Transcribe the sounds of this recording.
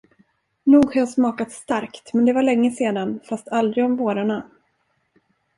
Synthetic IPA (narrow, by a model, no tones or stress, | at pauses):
nuːɡhajasmɑːkat̪st̪aɾkt̪mɛnd̪ɛvaɭɛŋːəseːd̪anfast̪ʰald̪ɾɪɡɔmvoːɾaɳa